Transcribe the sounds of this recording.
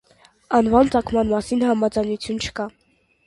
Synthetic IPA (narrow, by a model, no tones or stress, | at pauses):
ɑnvɑnt͡sɑkʰmɑnmɑsinhɑmɑd͡zɑjnut͡sʰjunt͡ʃʰə̥kɑ